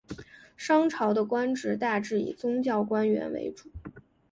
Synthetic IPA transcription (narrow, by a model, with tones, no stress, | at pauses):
ʂɑ˥ŋʈ͡ʂʰɑ˧˥ʊd̪ə˧kwa˥nʈ͡ʂɻ̩˧˥t̪a˥˧ʈ͡ʂɻ̩˥˩ḭ˨˩t͡sʊ˥ŋt͡ɕjɑ˥˩ʊkwa˥nɥɛ̰˧˥nwḛ˧˥ɪʈ͡ʂu̥˨˩˦